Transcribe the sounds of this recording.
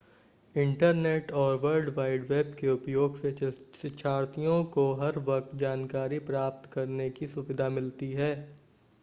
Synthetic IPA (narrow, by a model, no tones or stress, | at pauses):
ɪ̃ɳʈəɾneːʈɔːɾʋəɾɖʋaːɪɖʋeːbkeʊpjoːɡsesɪt͡ʃʰaːɾt̪ijõkoɦɐɾʋɐk̚t̪d͡ʒaːnkaːɾipɾaːp̚t̪kɐɾnekisʊʋɪd̪ʱamɪlt̪iɦɛː